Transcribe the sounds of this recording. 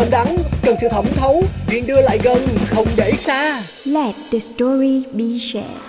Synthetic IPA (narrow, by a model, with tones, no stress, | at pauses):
ə˧˩nɗa˨˦nkə˨˩nsɨ̰˧˨˩t̪ʰə˧˩wŋ͡mt̪ʰə˨˦wvḭ˧˨ənɗɨ˧əla̰ː˧˨jɣə˨˩nxə˧wŋ͡mɗe˧˩saː˧ | lɛ˧t̚dəstɔ˧ɹi˧ɓi˧ʃɛ̰˧